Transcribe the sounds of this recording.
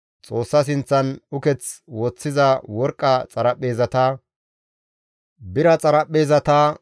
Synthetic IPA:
t͡sʼo̞ːsːɐs̬ɪnt͡sːɐnʊkɛt͡swɔt͡sːɪzɐwɔɾkʼːɐt͡sʼɐɾɐpːe̞ːzɐt̪ɐ | bɪɾɐt͡sʼɐɾɐpʼːe̞ːzɐt̪ɐ

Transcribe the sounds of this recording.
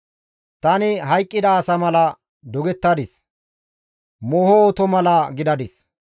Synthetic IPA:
t̪ɐnɪɦɐjkʼːɪd̪ɐːsɐmɐlɐ | d̪ɔɡɛt̪ːɐd̪ɪs | moːhɔɔt̪ɔmɐlɐɡɪd̪ɐd̪ɪs

